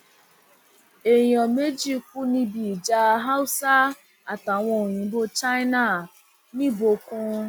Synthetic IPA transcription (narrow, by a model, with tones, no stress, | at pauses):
e˨ɲɔ˨me˦d͡ʒi˦kʷu˦ni˦bi˨d͡ʒa˦ɦa˦ʊ˦sa˦ | a˨ta˨ŋʷɔ˨ɲi˨˦bo˦t͡ʃa˦i˦na˨ | ni˦bo˨kʊ˦